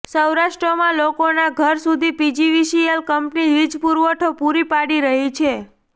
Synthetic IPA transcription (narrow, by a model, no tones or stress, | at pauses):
səwɾaʃʈɾəmãlokonaɡʱəɾsud̪ʱipid͡ʒiʋiʃielkəmpniʋid͡ʒpuɾʋəʈʰopuɾipaɽiɾəɦit͡ʃʰe